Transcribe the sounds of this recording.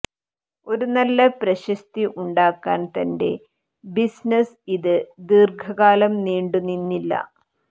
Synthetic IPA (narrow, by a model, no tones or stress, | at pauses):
o̞ɾunɐlːɐpɾɐɕɐst̪iʔuɳɖaːkːaːnt̪ɐnde̞̰ | bisnɐs | iðɨd̪irɡʱɐɣaːlɐmniːɳɖunːinːilːɐ̰